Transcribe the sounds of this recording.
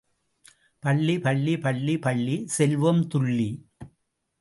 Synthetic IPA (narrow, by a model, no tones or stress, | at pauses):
pɐɭːipɐɭːipɐɭːipɐɭːisɛlʋɐmt̪ʊɭːi